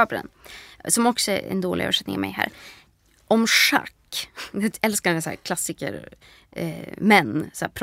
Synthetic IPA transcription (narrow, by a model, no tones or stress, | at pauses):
ɑpɾə̰nsɔmɔksɔɛɛ̰nd̪oːlɪœ̰ːvʂɛt̪nɪ̰ŋmɛ̰ɪɦæ̰ːɾ | ɔmʂa̰kːd̪t̪ɛlskanəsæ̰ːɾkʰlasɪkə̰ɾ | mɛnːsæːɾpʰɾ